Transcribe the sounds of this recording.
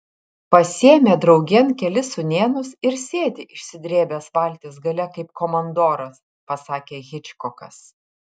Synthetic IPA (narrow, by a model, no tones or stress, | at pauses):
pɐsʲeːmʲɛd̪ɾɒʊɡʲɛnkʲɛlʲɪsʊnʲeːnʊsɪɾsʲeːd̪ʲɪʔɪʃʲsʲɪd̪ʲɾʲeːbʲɛsʋɐˑlʲt̪ʲeːsɡɐlʲɛkɐɪp̚komɐnd̪oːɾɐs | pɐsɑːkʲeːɣʲɪt͡ʃʲkɔkɐ̰s